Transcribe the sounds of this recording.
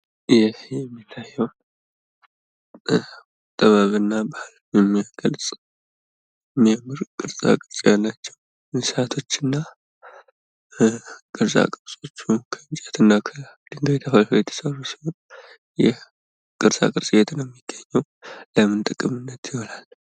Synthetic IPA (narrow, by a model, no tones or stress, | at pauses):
jɛhjɛmːit̪ʰːajːɛw | t̪ʼːəβaβɨnːabahl | jɛmːijaɡ̥əlsʼ | mːiamːɨɾkʼɨɾsʼa̰kʼɨɾsʼjalːat͡ʃːɛ̥w | mɨsat̪ʰo̞t͡ʃːɨnːa | kʼɨɾsʼa̰kʼɨɾsʼo̞t͡ʃːukʰəɨnt͡ʃʼɛt̪ʰɨnːakʰəd̪̥ɨŋɡəβit̪ʰəfalhojɛt̪ʰːə̥sərusi̥hon | jɛ | kʼɨɾsʼa̰kʼɨɾsʼɨjɛt̪ʰɨnɛmːiɡ̥ːəɲːɛw | ləmɨnt̪ʼɨkʼːɨmɨnːət̪jɪholal